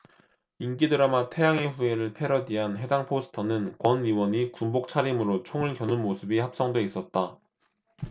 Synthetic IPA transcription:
inkidɯɾamatʰe̞jaŋeɸueɾɯɭpʰe̞ɾʌdiɦanɦe̞daŋpʰosʰɯ̥tʰʌnɯnkwʌniwʌɲikumbok̚t͡ɕʰaɾimɯɾot͡ɕʰoŋɯɭkjʌnɯnmosʰɯbihap̚s͈ʌŋdeis͈ʌt̚t͈a

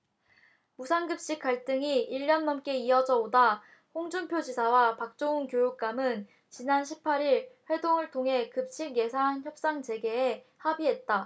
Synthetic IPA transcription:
musʰanɡɯp̚ɕ͈ik̚k͈aɭt͈ɯŋiiʎːʌnmʌmk͈e̞iʌd͡ʑʌboda | hoŋd͡ʑumpʰjod͡ʑisʰawapak̚t͡ɕ͈ounkjojuk̚k͈amɯn | t͡ɕinanɕʰipʰaɾiɭɸwe̞doŋɯɭtʰoŋɦe̞kɯp̚ɕ͈iɡe̞sʰançjʌp̚s͈aŋd͡ʑe̞ɡe̞ː | habiɦe̞t̚t͈a

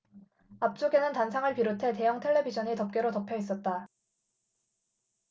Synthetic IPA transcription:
ap̚t͡ɕ͈oɡe̞nɯntansʰaŋɯɭpiɾotʰe̞te̞jʌŋtʰe̞ɭːe̞bid͡ʑʰʌɲitʌp̚k͈eɾotʌpʰjʌis͈ʌt̚t͈a

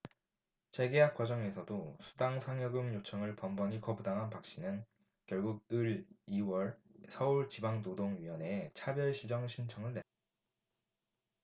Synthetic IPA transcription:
t͡ɕe̞ɡejak͈wad͡ʑʌŋe̞sʰʌdosʰu̥daŋsʰaŋjʌɡɯmjot͡ɕʰʌŋɯɭpʌmbʌɲikʌbudaŋɦanpak̚ɕ͈inɯn | kjʌɭɡuɡ̚ɯɭiwʌɭsʰʌuɭt͡ɕibaŋnodoŋɥiwʌne̞t͡ɕʰabjʌɭɕʰid͡ʑʌŋɕʰint͡ɕʰʌŋɯɭːe̞t͈ḁ

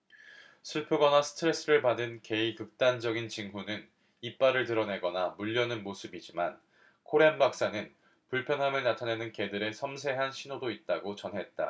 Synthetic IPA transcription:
sʰɯɭpʰɯɡʌnasʰɯ̥tʰɯɾe̞s͈ɯɾɯɭpadɯnke̞ikɯk̚t͈and͡ʑʌɡint͡ɕiŋɦunɯn | ip͈aɾɯɭtɯɾʌne̞ɡʌnamuʎːʌnɯnmosʰɯbid͡ʑiman | kʰoɾeanbak̚s͈anɯn | puɭpʰjʌnɦamɯɭnatʰane̞nɯnke̞dɯɾe̞sʰʌmsʰe̞ɦanɕʰinodoit̚t͈aɡot͡ɕʌnɦe̞t̚t͈a̰

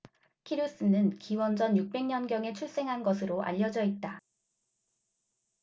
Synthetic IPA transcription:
kʰiɾus͈ɯnɯnkiwʌnd͡ʑʌnjuk̚p͈e̞ŋɲʌnɡjʌŋe̞t͡ɕʰuɭs͈e̞ŋɦanɡʌsʰɯɾoʔa̰ʎːʌd͡ʑʌit̚t͈a

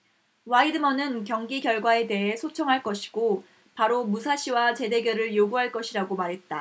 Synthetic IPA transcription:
waidɯmʌnɯnkjʌŋɡiɡjʌɭɡwae̞de̞ɦe̞sʰot͡ɕʰʌŋɦaɭk͈ʌɕʰi̥ɡ̥o | paɾomusʰaɕʰiwat͡ɕe̞de̞ɡjʌɾɯɭjoɡuɦaɭk͈ʌɕʰiɾaɡomaɾɦe̞t̚t͈a

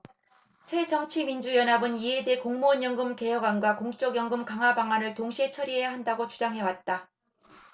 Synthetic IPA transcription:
sʰe̞t͡ɕʌmt͡ɕʰimind͡ʑujʌnabɯniede̞koŋmoɲjʌŋɡɯmke̞ɦjʌɡwanɡwakoŋt͡ɕ͈ʌɡjʌŋɡɯmkaŋɦabaŋanɯɭtoŋɕʰiet͡ɕʰʌɾiɦe̞jaɦandaɡot͡ɕud͡ʑaŋɦe̞wat̚t͈a

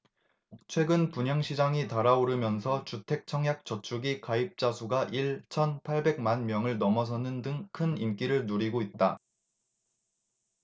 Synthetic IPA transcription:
t͡ɕʰwe̞ɡɯnpuɲʌŋɕʰid͡ʑaŋitaɾaoɾɯmjʌnsʰʌt͡ɕutʰe̞k̚t͡ɕʰʌŋɦjak̚t͡ɕʌt͡ɕʰuɡikaip̚t͡ɕ͈asʰuɡaʔiɭt͡ɕʰʌnpʰaɭbe̞ɡ̚manmjʌŋɯɭnʌmʌs̬ʰʌnɯndɯŋkʰɯnink͈iɾɯɭnuɾiɡoit̚t͈a

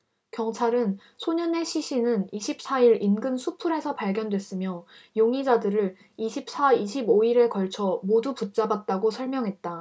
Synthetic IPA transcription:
kjʌŋt͡ɕʰaɾɯn | sʰoɲʌne̞ɕʰiɕʰinɯniɕʰip̚s͈aiɾinɡɯnsʰupʰuɾe̞sʰʌpaɭɡjʌndwe̞s͈ɯmjʌjoŋid͡ʑadɯɾɯɾ | iɕʰip̚s͈aiɕʰiboiɾekʌɭt͡ɕʰʌmoduput̚t͡ɕ͈abat̚t͈aɡosʰʌɭmjʌŋɦe̞t̚t͈a

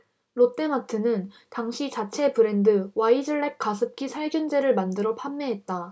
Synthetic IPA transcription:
ɾot͈e̞matʰɯnɯn | taŋɕʰit͡ɕat͡ɕʰe̞pɯɾe̞ndɯwaid͡ʑɯɭːek̚k͈asʰɯp̚k͈isʰaɭɡjund͡ʑe̞ɾɯɭmandɯɾʌpʰamːe̞ɦet̚t͈a

